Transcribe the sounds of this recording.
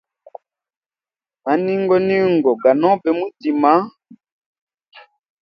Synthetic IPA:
ma˨ni˦ŋɡɔ˦ni˦ŋɡɔ˨ɡa˨nɔ˦bɛ˨mu˦ti˨ma˦

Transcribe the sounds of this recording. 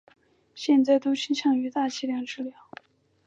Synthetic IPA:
ɕjɛ˥˧nt͡sa˥˩ɪt̪u˥t͡ɕʰi˥nɕʰjɑ˥˩ŋy˧˥t̪a˥˧t͡ɕʰi˥ljɑ˥˩ŋʈ͡ʂɻ̩˥˩ljɑ˧˩˦ʊ

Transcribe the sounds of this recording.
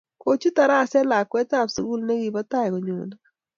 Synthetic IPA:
ko˨t͡ʃu˦ta˨ɾa˦˨sɛ˦la˨kwɛ˦ta˦˨psu˨ɡu˦lnɛ˦ɡi˨bɔ˦ta˦˨jkɔ˨ɲo̰˨na˦

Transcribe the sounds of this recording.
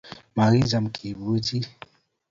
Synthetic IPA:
ma˨ɾi˦za˨m˨kʰi˨bu˦d͡ʒi˦

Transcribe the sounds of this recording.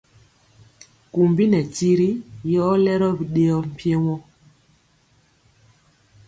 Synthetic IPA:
ku˨mbi˦nɛ˨ti˦ɾi˦jɔ˦lɛ˦ɾɔ˦bi˨ɗe˦ɔ˦m̩˨pje˦wɔ˦

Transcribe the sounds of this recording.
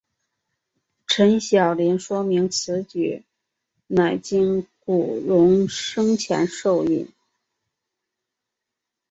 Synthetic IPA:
ʈ͡ʂʰə˧˥nɕjɑ˨˩ʊlɛ˧˥nʂwɔ˥mi˧˥ŋt͡sʰɹ̩˧˥t͡ɕy̰˨˩ | na˨˩ɪt͡ɕi˥ŋku˨˩ɻʊ˧˥ŋʂɤ˥ŋt͡ɕʰjɛ̰˧˥nʂo˥˧ʊḭ˥˩n

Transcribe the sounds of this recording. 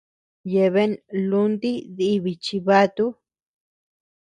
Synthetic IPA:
je˨βe˦nlu˦nd̪i˦ði˦βi˨t͡ʃi˧βa˦t̪u˦

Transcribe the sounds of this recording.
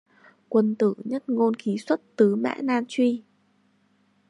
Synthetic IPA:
kwə˧nt̪ɨ̰˧˩˨ɲə˦˥t̚ŋo˧nki˨˦swə˦˥t̚t̪ɨ˨˦mɛ̰ː˧˥naː˧nt͡ɕwi˧

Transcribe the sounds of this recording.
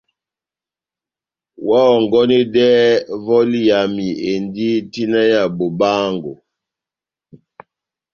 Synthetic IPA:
wɔ˦˨ŋɡɔ˦ni˦dɛ˦vɔ˦li˦ja˨mi˨e˨ndi˦ti˦na˦ja˨bo˨baː˦ŋɡo̰˨

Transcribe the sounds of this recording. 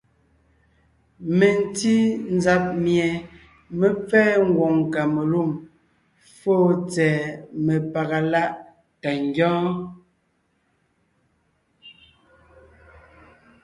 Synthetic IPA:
me˨n˨ti˦n˦za˨p̚mjɛ˨ | me˨p͡fɛː˦ŋ̩˦ɡwɔ˨ŋ˨ka˨me˨lu˦˨m | foː˦˨t͡sɛː˨me˨pa˨ɣa˨la˦ʔ | ta˨ŋ˦ɡjɔ̃ː˦

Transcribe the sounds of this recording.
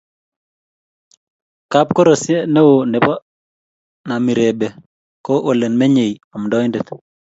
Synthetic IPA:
ka˦p̚ko˦ɾo˨sje˦ne˦wo˨ne˨pɔ˦ | na˨mi˨ɾe˨be˨ | kɔ˦ʔo˨le˨nme˦ɲe˨jɔ˨mdɔ˦jnde˨t̪

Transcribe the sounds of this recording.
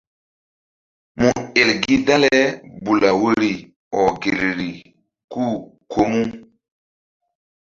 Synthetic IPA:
mu˨e˨lɡi˦da˦lɛ˦bu˨la˨wə˦ɾi˨ | ɔ˨ɡe˨lɾi˨ | ku˦ | kʰo˦mu˦

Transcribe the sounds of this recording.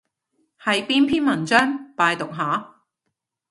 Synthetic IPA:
hɐ˨jpiː˥npʰiː˥nmɐ˨˩nt͡sœː˥ŋpaː˧jt̪ʊ˨k̚ɦaː˨˥

